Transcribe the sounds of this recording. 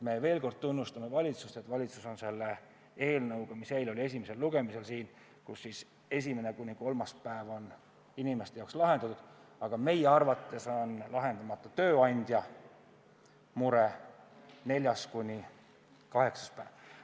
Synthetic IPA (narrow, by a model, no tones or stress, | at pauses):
me̞ve̞ːlko̞rd̪̥̚t̪unːust̪ɑme̞vɑlʲit̪sust̪e̞t̪ːˑvɑlʲit̪suso̞nse̞lːe | e̞ːlnɤwɡ̥ɑmise̞jlo̞lʲie̞s̬ʲimese̞lːuɡ̥e̞mise̞lsiːn | kusːis | e̞s̬ʲime̞ne̞kunʲːiko̞lmɑspæevo̞n | inʲime̞st̪ejɑwkslɑɦe̞nd̪̥ɑt̪ud̪̥ɑɡ̥ɑme̞jeɑrvɑt̪ːˑe̞so̞nlɑɦe̞nd̪̥ɑmɑt̪ːˑɑt̪ø̞ːɑnʲd̪̥ʲjɑ | muɾe̞ | ne̞lʲjɑskunʲi | kɑɦe̞ksɑ̥spæːv̥